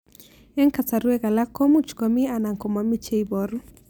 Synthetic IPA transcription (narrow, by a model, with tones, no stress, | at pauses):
ɛ˦ŋka˨t͡sa˨ɾu˦ɛ˦ɣa˨la˦kːɔ˦mu˦t͡ʃkɔ˨mi˦a˨na˨ŋkɔ˨ma˨mi˦t͡ʃe˦ibɔ˨ɾu˦